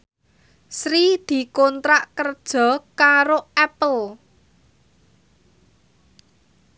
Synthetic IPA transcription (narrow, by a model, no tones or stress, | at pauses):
sɾid̪̥i̤kɔnt̪ɾaʔkərd̥ʒ̥ɔ̤kaɾoɛpəl